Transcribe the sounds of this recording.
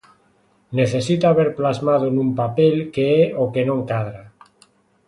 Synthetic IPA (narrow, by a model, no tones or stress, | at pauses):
ne̞θesit̪aːβeɾplazmað̞onũmpapelkeeoke̞nõŋkaðɾa